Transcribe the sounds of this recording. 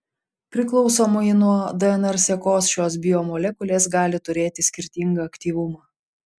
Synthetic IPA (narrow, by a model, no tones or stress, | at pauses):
pʲɾʲɪklˠɔʊsoːmʊɪnuɔd̪ɛɛnɛɾsʲɛkoːsʃʲoːs̬bʲɪjɔmɔlʲɛkʊlʲeːsɡɑːlʲɪt̪ʊɾʲeːt̪ʲɪsʲkʲɪɾʲt̪ʲiŋɡɐɐkt̪ʲiːʋʊmɑː